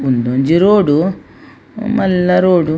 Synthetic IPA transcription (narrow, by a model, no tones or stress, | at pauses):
und̪oɲd͡ʒiɾoːɽu | mɐlːɐɾoːɽu